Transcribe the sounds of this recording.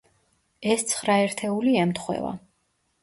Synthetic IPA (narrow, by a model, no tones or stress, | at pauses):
ɛst̪sʰχɾaɛɾt̪ʰɛuliɛmt̪χwɛ̰va̰